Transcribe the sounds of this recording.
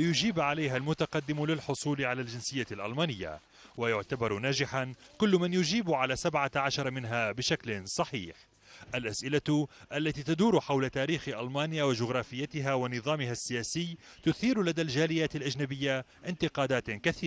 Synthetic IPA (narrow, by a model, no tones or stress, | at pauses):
lɪjʊd͡ʒiːbʕalajɦalmʊt̪aqɑd̪ːɪmlɪlħʊsˤuːlʕalald͡ʒɪnsɪjːalʔa̰lmaːnɪjːa̰ | wajʊʕt̪abɑɾˤnaːd͡ʒɪħankʊlːmanjʊd͡ʒiːbʕalaːsabʕaʕaʃɑɾˤmɪnɦaːbɪʃaklɪsˤɑħḭːħ | ʔalʔasʔɪlaʔalːat̪iːt̪ad̪uːɾħawlat̪aːɾiːxʔalmaːnɪjawɪd͡ʒʊɣɾˤɑːfɪjːat̪ɪɦawɪnɨðˤɑːmɪɦasːɪjaːsɪjːt̪ʊθiːɾlad̪ald͡ʒaːlɪjaːt̪alʔad͡ʒnabɪjːaʔɪnt̪ɪqɑːd̪aːt̪kaθiːɾ